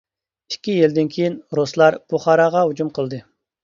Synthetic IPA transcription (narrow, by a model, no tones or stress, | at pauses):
i̥kʲːijild̪ɪnkʲʰejinɾoslˠɑɾbuχɑɾɑʁɑɦud͡ʒumqʰəlˠd̪ɨ